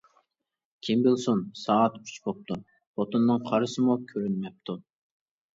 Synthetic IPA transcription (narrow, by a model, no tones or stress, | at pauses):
kʲʰimbɪlˠsunsɑːt̪yt͡ʃbop̚t̪u | bot̪onːɨŋqʰɑɾɨsɨmukʲʰøɾynmɛp̚t̪ʰu